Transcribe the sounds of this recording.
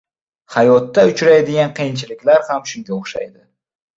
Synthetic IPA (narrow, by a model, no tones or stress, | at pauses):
hajɒt̪ːaʊt͡ʃɾajd̪ɪɡʲanqʰijɪnt͡ʃʰɪlɪkʲlaɾhamʃʊŋɡʲaoχʃa̰jd̪ɪ